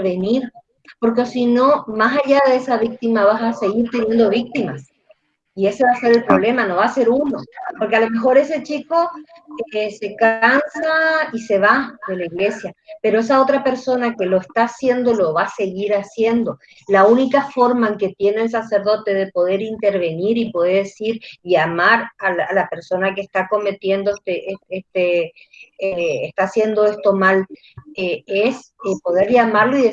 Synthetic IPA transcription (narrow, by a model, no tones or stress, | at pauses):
βeniɾ | po̞ɾkesino̞masaʎaðeesaβik̚t̪imaβasaseɣiɾt̪e̞nje̞nd̪o̞βik̚t̪imas | ie̞se̞βase̞ɾelpɾo̞βle̞mano̞βaːse̞ɾuno̞po̞ɾke̞alo̞me̞xo̞ɾe̞se̞t͡ʃiko̞ | ese̞kansaise̞βaðelaiɣle̞sjape̞ɾo̞es̬ao̞t̪ɾape̞ɾso̞nake̞lo̞est̪aːsje̞nd̪olo̞βase̞ɣiɾasje̞nd̪o̞ | launikafo̞ɾmaeŋke̞t̪je̞ne̞ːls̬aseɾðo̞t̪e̞ðe̞po̞ðe̞ɾint̪eɾβe̞niɾipoðeɾesiɾʎamaɾalalape̞ɾso̞nakeːst̪ako̞me̞t̪je̞nd̪oest̪eʔeest̪e | est̪asje̞nd̪o̞est̪o̞mal | eesepo̞ðeɾʎamaɾloiðe